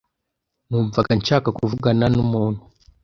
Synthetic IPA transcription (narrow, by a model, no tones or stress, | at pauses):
nuɱvakant͡ʃakakuvuɡananumɔnu